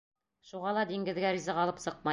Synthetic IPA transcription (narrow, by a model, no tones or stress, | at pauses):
ʃuʁɑlˠɑd̪iŋɡɘ̆ðɡæɾizɑʁɒlˠɤpsɤq̚mɑ